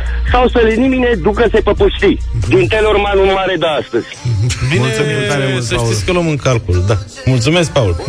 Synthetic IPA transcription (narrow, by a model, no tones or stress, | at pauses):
sawselinimined̪ukɐsejpɐpuʃt̪id̪int̪eluɾmanunaɾed̪aast̪əs | bimeasəʃisʲkəlomɨŋkalkuld̪a | mult̪sumesk̚paul